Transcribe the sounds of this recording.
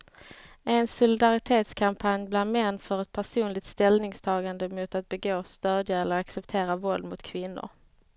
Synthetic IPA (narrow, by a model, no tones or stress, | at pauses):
ʔɛnsʊlɪd̪aɾɪt̪ʰeːt̪skʰampʰanjblaɾd̪mɛnːfœɾɛt̪̚pʰæʂuːnlɪɡ̚t̪st̪ɛlnɪŋst̪ʰɑːɡand̪əmʊt̪at̪̚bɛɡoːst̪øːd̪jaɛlːəɾaksɛpt̪ʰeːɾavɔld̪mʊt̪kʰvɪnːʊ̰ɾ